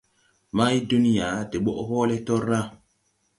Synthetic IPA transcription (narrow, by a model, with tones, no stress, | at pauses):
ma˦ji˦du˦ni˦ja˨˦te˨ɓo˦ʔhɔː˦le˦tɔ˦ɾːa˦